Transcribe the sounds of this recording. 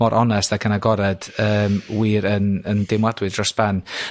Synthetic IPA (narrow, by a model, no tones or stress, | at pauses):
ɔɾʔɔnɛstaɡʰənaɡɔɾɛd̥əːmwiːɾənəndɪmwadwɨdrɔsb̥an